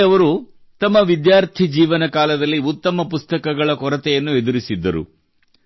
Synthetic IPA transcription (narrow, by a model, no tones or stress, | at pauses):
ɐʋɐɾu | t̪ɐmːɐʋid̪jaːɾt̪ʰid͡ʒiːʋɐnɐkaːlɐd̪ɐlːiut̪ːɐmɐpust̪ɐkɐɡɐɭɐkɔɾɐt̪ɛjɐnːued̪uɾisid̪ːɐɾṵ